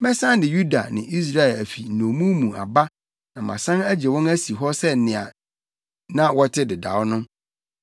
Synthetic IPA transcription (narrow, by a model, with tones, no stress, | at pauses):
mɛ˦sã˦n˦dɪ˨ju˦da˨nɪ̃˨ʔi˦s̬ɾa˦ɛ˨læ˨fi˨n̩˨nõ˨mũ˦mũ˨a̰˨ba˦ | nã˨mã̰˨sã˦næ˦d͡ʑɛ˨wɔ̃˦næ˦si˨ɦɔ˦sɛ˦˨nɪ̃˨a˨ | nã˦wɔ˦tʰɪ˦dɪ˨da̰˨wʊ˦nʊ̃˦